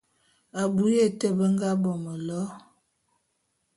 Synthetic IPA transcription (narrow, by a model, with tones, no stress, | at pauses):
a˨bu˦je˦˨tə˦bə˦ŋɡa˦bɔ˨mə˨lɔ˦